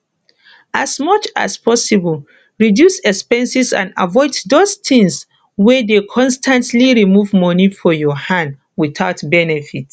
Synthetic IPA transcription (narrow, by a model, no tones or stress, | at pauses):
asmɔt͡ʃa̰spʰɔsibəl | ɹidjusɛkspɛ̃nsisã̰nda̰vɔɪddostʰĩŋs | wɛdekʰɔ̃nstʰãntliɹimuvmɔnifɔjɔhãnd | wiθaʊtbɛnɛfit